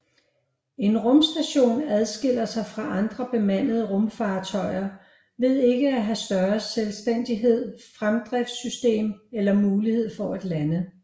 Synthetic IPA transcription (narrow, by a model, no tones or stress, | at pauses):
e̝nʁɔ̽msd̥æɕo̝̰ːnæð̞ˠsɡ̥e̝l̰ɐsɑ̈ɪfʁɑ̈ʔɑ̈nd̥ʁɐb̥e̝mæn̰əð̞̩ˠəʁɔ̽mfɑ̈ːt͡sʰɒ̽ɪɐ | ʋe̝ð̰ˠe̝ɡ̥əæɦæsd̥ɶɐselsd̥en̰d̥iɦe̝ð̞̰ˠfʁamd̥ʁɛfdsysd̥e̝̰ːmelɐmuːlihe̝ð̞̰ˠfɒ̽æd̥lænə